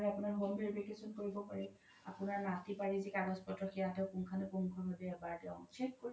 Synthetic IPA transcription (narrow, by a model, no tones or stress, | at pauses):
ɹapʊnaɹɦombiɹbekesɔnkoɹibɔpaɹɛ | apʊnaɹnatipaɹizikaɹɔspɔtɹɔkʰijadɛkuŋkʰanɛpuŋkʰɔnɦodɛɛbaɹdɛʊ̃ŋt͡ʃʰekkoɹi